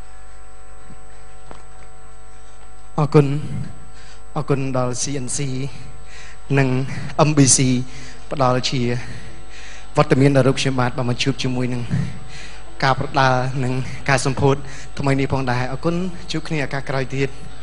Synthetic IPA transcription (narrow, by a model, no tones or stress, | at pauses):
ʔɑːkun | ʔɑːkunɗɑlsiːʔənsiː | nɨŋ | ʔəmɓiːsiː | pə̆ɗɑlt͡ɕiə | ʋŏət̪ːamiənɗaɾuːp̚kʰɲomɓaːt̪̚ɓaːnmɓɑɲt͡ɕuəp̚t͡ɕiəmuəjnɨŋ | kaːprɑɗaənɨŋ | kaːsɑmpʰuət̪̚ | t̪ʰːməjnihpʰɑːŋɗaɛʔɑːkʊn | t͡ɕuːəpkʰniəʔaːkaːhkraɔjt̪iət̪̚